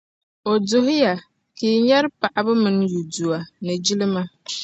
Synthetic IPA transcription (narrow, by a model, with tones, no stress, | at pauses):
o˨dʊ˨ɦʊ˦ja˨ | ki˨˦ɲɛ˦ɾpa˨ʔa˨bɨ˦mɨ˨n˦ju˨du˨a˨nɨ˨d͡ʒi˦lɪ˦ma˦